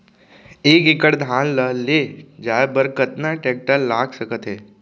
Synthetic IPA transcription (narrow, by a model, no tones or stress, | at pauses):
eːkekəɽd̪ʱaːnləleːd͡ʒaːebəɾkət̪naʈɛːk̚ʈəllaːɡsəkət̪ɦɛː